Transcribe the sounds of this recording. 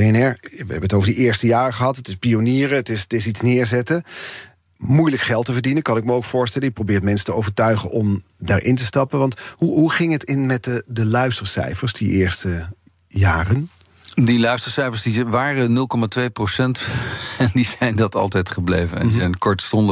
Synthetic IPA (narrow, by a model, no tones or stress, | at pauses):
eɛnɛɹʋə̰ɦɛ̰bənətowvəɹdəʔɪːɹstəjaːrəχəɦɑtətɪspioniːɾəətɪstɪsitsnɪːɹzɛtə | mujləkχɛlˠtəvəɹdinənkɑnɪk̚məowkfʊːɹstɛləɪk̚prowbɪːɹtmɛnsə̥təo̰wvəɹtœɥχənʔɔmdaːɹʔɪ̰ntəstɑpənʋɑntɦuɦuχɪŋɦətɪnmɛt̚ədəlœɥstəɹsɛ̰jfəɹsdiʔɪːɹstə | jaːrən | dilœɥstəɹsɛjfəɹsdiʋaːrənɵlˠkɔmatʋejprosɛntɛndizɛjndɑtɑ̰lˠtɛjtχəblejvənɛ̰ndizɛjnkɔɹtstɔndə